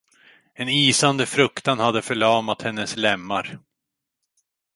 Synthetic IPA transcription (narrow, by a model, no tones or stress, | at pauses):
ɛniːsand̪əfɾɵkt̪anhad̪ːəfœɭɑːmat̪hɛnːəslɛmːaɾ